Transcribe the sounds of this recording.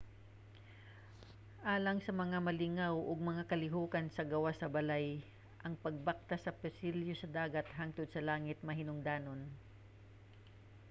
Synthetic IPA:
ʔaːlɐŋsɐmɐŋamɐlɪŋawʔʊɡ̚mɐŋakɐlɪɦuːkɐnsɐɡɐwasɐbɐlaj | ʔɐŋpɐɡ̚bak̚t̪asɐpɛsɪljosɐd̪aːɡɐt̪haŋt̪ʊd̪̚sɐlaːŋɪt̪̚mɐɦɪnʊŋd̪aːno̞n

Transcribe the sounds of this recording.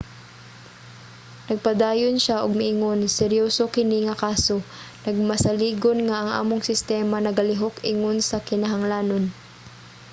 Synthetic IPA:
nɐɡ̚pad̪aːjonʃaʔʊɡ̚mɪʔɪŋonsɛɾjoːsokɪniŋɐkaːsonɐɡ̚mɐsaliːɡonŋaʔɐŋʔa̰ːmoŋsɪst̪ɛːmanɐɡɐlɪɦokɪŋonsɐkɪnaɦaŋlaːnon

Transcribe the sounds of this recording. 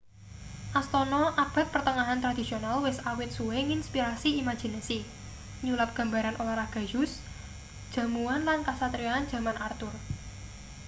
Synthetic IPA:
ʔast̪ɔnɔʔab̥a̤t̪̚pərt̪əŋaɦant̪ɾad̪̥isionalwɪsawɪt̪̚suweŋinspiɾasiimḁʒ̥i̤nasi | ɲulat̪̚ɡ̥ä̤mba̤ɾanʔolaɾaɡ̥a̤jʊs | d̥ʒ̥ä̤muanlankasat̪ɾiaːn̥ʒ̥ä̤manart̪ʊr

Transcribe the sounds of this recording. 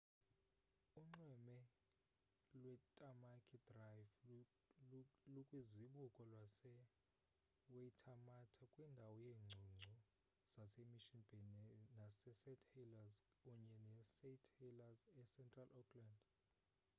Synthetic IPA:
uŋ͡ǀɛmɛ | lwɛtʼamakʼʰidrajv | lukʼwiziɓukʼɔlwasɛ | weitʰamatʰakʼwindʱawɔjeːŋ͡ǀʱuŋ͡ǀʱɔ | z̥asemiʃinb̥ʱɛnnasɛsɛtʰʼhilazkʼuɲɛnɛsetʰhilazɛsɛntʼralʔɔkʰland

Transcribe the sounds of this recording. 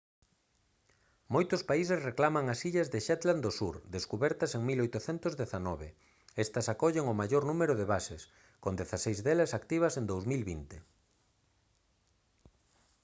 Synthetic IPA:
mojt̪ʊspais̬esreklamɐŋɐsiʎɐzðɪʃɛt̪land̪osuɾd̪eskuβɛɾt̪ɐseŋmilojt̪ʊθent̪ʊzðeθanɔβɪ | est̪ɐsakɔʎeŋʊmaʎoɾnũmeɾʊðeβases | kond̪eθasejzðelɐsakt̪iβ̞ɐsend̪owzmilβint̪e

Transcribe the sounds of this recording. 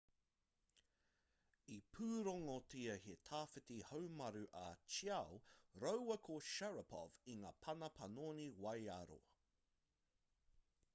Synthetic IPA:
ipʰʉːɾoŋotʰiɐhetʰaːfɪtihowmɐɾʉʔat͡ʃiawɾowwɐkʰoʃɛɹɐpʰɔ̰viŋaːpʰɐnɐpʰɐnoniwɐja̰ɾo̰

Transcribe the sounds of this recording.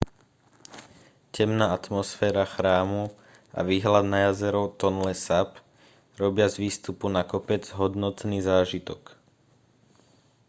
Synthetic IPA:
cɛmnaːat̪mɔsfɛːɾaxɾaːmu | a̰ʋiːɦlad̪najazɛɾɔʊt̪ɔnlɛsap | ɾɔbɪazʋiːst̪upunakɔpɛd͡zɦɔd̪nɔt̪niːzaːʒit̪ɔk

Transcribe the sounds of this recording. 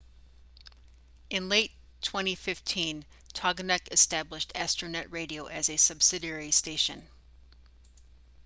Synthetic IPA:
ɨ̃nleɪtʰ | w̥ɛ̃ɾ̃ifɪftʰĩn | tʰɑɡnɛkɨstæblɨʃtʰæstɹ̥ɨnɛʔ̚ɹeɪɾioʊʔɨzɨsʌb̥sɨɾɛɹisteɪʃɨ̃n

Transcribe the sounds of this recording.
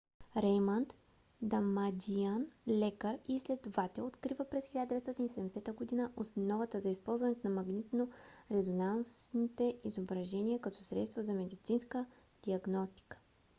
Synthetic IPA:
ɾɛjmɐnt̪ | d̪amad̪ianlɛkəɾislɛd̪ʊvat̪ɛot̪kɾivəpɾɛsxilʲad̪d̪vɛst̪ɔt̪inisɛd̪ɛmɛsɛt̪əɡod̪inəʔosnɔvɐt̪əzɐispɔlˠzvɐnɛt̪onɐmɐɡnit̪noɾɛzonansnit̪ɛizobɾɐʒɛniəkɐt̪ʰɔsɾɛt̪st̪vəzɐmɛd̪it̪sinskə | d̪̥iɐɡnɔst̪i̥kə̥

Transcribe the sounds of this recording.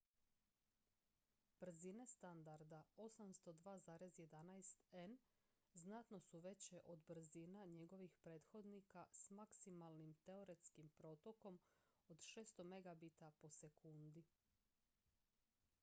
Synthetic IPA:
b̥r̩zine̞st̪and̪aɾd̪ao̞samst̪o̞d̪ʋaːzaːɾe̞zje̞d̪anajst̪en | znat̪no̞suʋe̞t͡ɕeʔo̞d̪br̩zinaɲe̞ɡo̞ʋixpɾe̞ːt̪xo̞d̪nikasmaksimalˠnimt̪e̞oɾe̞t̪skimpɾo̞t̪o̞ko̞mo̞d̪ʃe̞ːst̪o̞me̞ɡabit̪apo̞se̞kund̪i

